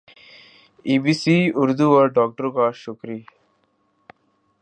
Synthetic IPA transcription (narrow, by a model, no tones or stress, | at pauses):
ibisiuɾd̪uoɾɖɔk̚ʈɔɾɡaʃukɾi